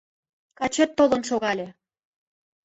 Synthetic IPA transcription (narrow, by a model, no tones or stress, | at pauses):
kɑt͡ɕet̪ːolɤ̆nʃoɣɑlʲe